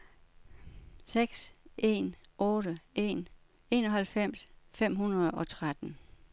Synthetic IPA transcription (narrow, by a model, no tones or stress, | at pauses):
seɡ̥sʔe̝̰nʔɔ̽ːɾəe̝̰ːn | e̝ːnɒɦælfem̰sfem̰ɦunɐðˠɒ̽t͡sʰʁad̥n̩